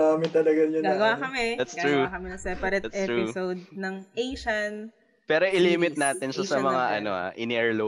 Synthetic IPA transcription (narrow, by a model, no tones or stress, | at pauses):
amɪt̪ɐlɐɡɐjɐɡaːɡɐwakɐmɛd̪at̪sɾuakɐmɪnɐŋsɛpɐɾɛt̪ʔɛːpuɪowd̪̚nɐŋʔejʃɐn | pɛːɾo̞ʔɪliːmɪt̪̚naːt̪ɪnʃɐsɐmɐŋaʔɐ̰noʔɐ̰ʔɪnɛɹlo